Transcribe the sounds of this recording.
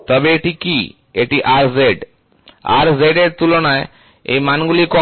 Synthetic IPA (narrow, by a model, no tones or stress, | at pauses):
t̪ɔbeeʈiki | eʈiʔaɾzeɖ | a̰ɾzeɖeɾt̪ulɔnae | ḛjmanɡulikɔ